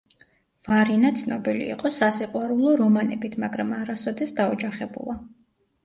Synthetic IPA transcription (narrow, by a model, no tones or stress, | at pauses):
vaɾinat̪sʰnɔbilḭːqʼɔsasiqʼwaɾulˠɔɾɔmanɛbit̪ʰmaɡɾamaɾasɔd̪ɛsd̪aɔd͡ʒaχɛbṵlˠa